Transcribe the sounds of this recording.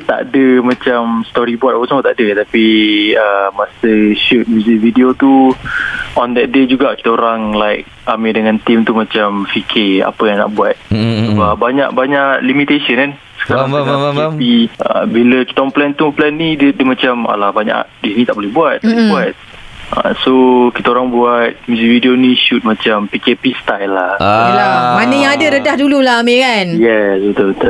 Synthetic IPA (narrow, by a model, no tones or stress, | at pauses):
t̪a̰ʔdəmat͡ʃamst̪ɔɾibuat̪̚apəsaŋmat̪aʔdət̪apiəmasəʃut̪̚muzividiot̪u | ʔɔndɛt̪̚ded͡ʒuɡakit̪əoɾaŋlajk̚ | amĩndəŋãnt̪imt̪umãt͡ʃamfikʰɪa̰pəjaŋna̰ʔbuat̪̚səbabaɲa̰ʔ̚baɲaʔlimit̪esiənkan | sə̥kaɾaŋaŋaepiə̰biləki̥t̪aŋplɛnt̪uplɛnːidədəmat͡ʃama̰lahbaɲa̰ʔdinit̪aʔbolɛhbuat̪̚ɛbuat̪̚ | ə̰sokit̪aoɾaŋbuat̪̚muzikvidionĩʃut̪̚mat͡ʃampikepist̪ajlːahamanəjaŋadəɾədahdululaamekanjɛsət̪əbt̪ə